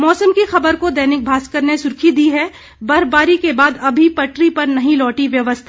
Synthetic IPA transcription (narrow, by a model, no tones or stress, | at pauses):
mɔːsəmkixɐbəɾkod̪ɐɦnɪk̚bʱaːskəɾnesʊɾkʰid̪iɦɛ | bɐɾbaːɾikebaːd̪ɐbʱipɐʈɾipɐɾnɐɦĩlɔːʈiʋjɐʋəst̪ʰa